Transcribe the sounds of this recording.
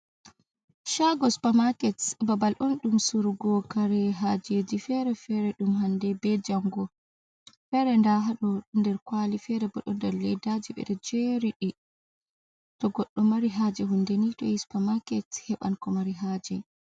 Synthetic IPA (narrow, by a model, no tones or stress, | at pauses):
ʃaɡɔspamakɛtbabalʔɔnɗumsuɾuɡɔkaɾɛɦad͡ʒed͡ʒifɛɾɛfɛɾɛɗumɦandɛbɛd͡ʒaŋɡɔ | fɛɾɛndaɦaɗɔndɛɾkwalifɛɾɛbɔɗɔndɛɾlɛdad͡ʒiɓɛ̰ɗɛd͡ʒeɾiɗi | tɔɡɔɗːɔmaɾiɦaːd͡ʒɛɦundɛnitɔ̰ispamakɛthɛɓa̰nkɔmaɾiɦaːd͡ʒɛ